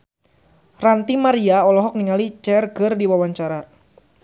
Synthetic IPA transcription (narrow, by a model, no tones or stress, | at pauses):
rant̪imaɾiaɔlɔɦɔk̚niŋalit͡ʃɛrɡərdiwawaɲt͡ʃaɾa